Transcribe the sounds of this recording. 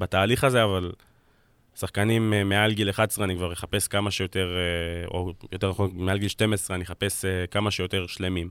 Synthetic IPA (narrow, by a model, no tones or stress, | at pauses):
bataːliχaze̞aval | saχkanimeːealɡileχadesʁeanikvaʁjeχape̞skamaʃejote̞ʁo̰jo̞te̞naχonmealɡilʃte̞mesʁeaniχape̞sekamaʃejo̞te̞ʁʃle̞mim